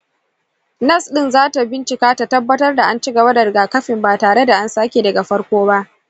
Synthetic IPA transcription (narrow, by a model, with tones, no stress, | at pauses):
nɐ˦˨sɗɪ˦nzaː˦ta˨bɪ˦nt͡ʃɪ˨kaː˦ta˨tɐ˦bːɐ˦tɐ˦rda˨ʔa˦nt͡ʃɪ˦ɡɐ˨ba˦da˨ɽɪ˨ɡaː˨kɐ˦ɸɪ˨mbaː˨taː˨ɽe˦da˨ʔa˦nsaː˦kʲe˨dɐ˨ɡa˨ɸɐ˦ɽkʷoː˦ba˦ʔ